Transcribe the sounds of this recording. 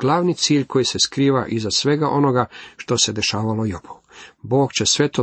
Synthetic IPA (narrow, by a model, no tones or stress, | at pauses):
ɡ̥lˠaʋnit̪siːʎko̞jiseskɾiːʋaʔizasʋe̞ɡaʔo̞noɡaʃt̪o̞se̞d̪e̞ʃaːʋalo̞jopo | bo̞ːɡt͡ɕesʋe̞t̪o